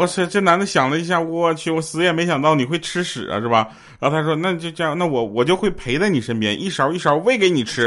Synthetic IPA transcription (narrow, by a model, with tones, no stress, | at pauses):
ɔ˧˩ʂ̩˥˩ʈ͡ʂə˥˩na˧˥nd̪ə˧˩ɕjɑ˨˩ŋlə˦i˧˥ɕ̬ja˥˩wɔ˨˧˩t͡ɕʰy˧˨˩wɔ˧˩sɹ̩˧˥jɛ˨˩me˧˥ɪɕjɑ˨˩ŋt̪ɑ˥˩ʊni˨˩xwe˥˩ɪʈ͡ʂʰɻ̩˥ʂɻ̩̰˨˩ɐ̰˦t̪we˥˩bɐ˩˧˥ | t̪ʰa˥ʂ̬wɔ˥na˥˧t͡ɕjo˥˧ʊʈ͡ʂɤ˥˧jɑ˥˩ŋna˥˩wɔ˨˧˥wɔ˨˩t͡ɕjo˥˧ʊxwe˥˩ɪpʰe˧˥ɪt͡sa˥˧ɪni˨˩ʂə˥npjɛ̰˥nʔi˥˩ʂɑ˨˩ʊi˥˩ʂɑ˨˧˩ʊwe˥˩ɪke˧˥ɪni˨˩ʈ͡ʂʰɻ̩˥